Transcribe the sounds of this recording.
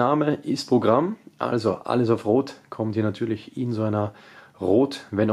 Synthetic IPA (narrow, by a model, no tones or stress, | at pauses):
aːməʔɪstpʁ̥oɡʁamʔa̰lzoʔa̰ləs̬aʊfʁoːtkʰɔmthiːɐnatʰyːɐlɪçɪnzoaɪnɐʁoːtvɛn